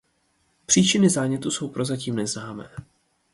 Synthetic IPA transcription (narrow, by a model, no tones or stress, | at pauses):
pr̥iːt͡ʃɪnɪzaːɲɛt̪uso̞wpɾo̞zaciːmnɛznaːmɛː